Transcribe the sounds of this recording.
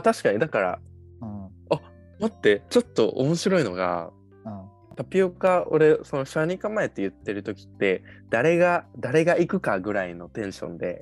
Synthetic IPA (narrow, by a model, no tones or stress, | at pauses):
at̪aɕi̥kaɲ̟id̪akaɾa̰ | a | mat̪ːe̞t͡ɕo̞t̪ːo̞̰ʔo̰mo̞ɕiɾo̞ino̞ɡa̰ | t̪apʲːiokao̞̰ɾe̞so̞noɕaɲ̟ikãmːae̞t̪ːe̞jɯ̟t̪ːe̞ɾɯ̟t̪o̞kʲi̥t̪ːe̞d̪̥aɾe̞ɡad̪aɾe̞ɡaikɯ̟kaɡɯ̟ɾaino̞t̪ẽ̞ɰ̃ɕõ̞̰nd̪e̞